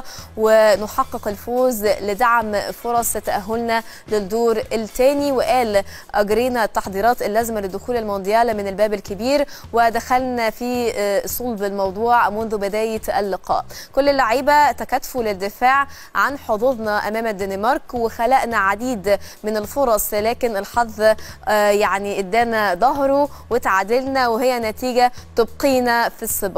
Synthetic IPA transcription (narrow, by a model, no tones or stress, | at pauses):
wɪnʊħɑqːeqɪlfoːzlɪd̪aʕmfoɾˤɑsˤt̪ːæʔæɦːʊlnæ | lɪd̪ːoːɾɪlt̪æːniwɪʔæːl | ʔæɡɾiːnæt̪ːɑħd̪ˤiːɾˤɑːt̪ɪlːæːzmælɪd̪ːʊxuːlalmond̪jæːlmɪnɪlbæːbɪlkɪbiːɾ | wɪd̪æxælnæfisˤolbɪlmɑwd̪ˤuːʕmʊnðʊbɪd̪æːjɪʔɪlːɪqɑ̰ːʔkʊlːɪlːaʕiːbæt̪ækæt̪fulɪd̪ːɪfaːʕ | ʕa̰nħoðˤuðˤnɑʔæmæːmæd̪ːænɪmɑɾˤkwɪxælæʔnæʕad̪iːd̪mɪnɪlfoɾˤɑsˤlæːkɪnɪlħɑðˤː | jaʕniʔɪd̪ːæːnæd̪ˤɑɦɾu | wɪt̪ʕaːd̪ɪlnæweɦɪjːænæt̪iːɡæt̪ob̚qiːnæfisˤːɨb